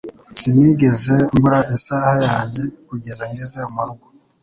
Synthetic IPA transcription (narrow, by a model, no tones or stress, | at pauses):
simiɡe̞zembuɾaisaːhajaːnekuɟezaŋɡezeumaɾuɡo